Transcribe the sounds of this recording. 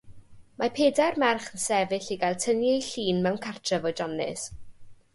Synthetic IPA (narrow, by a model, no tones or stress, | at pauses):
mapʰeːdarmɛrχənsɛvɪɬiɡajlˠtʰənjɛjɬiːnmɛwnkʰartʰrəvɔd͡ʒɔnɪ̰s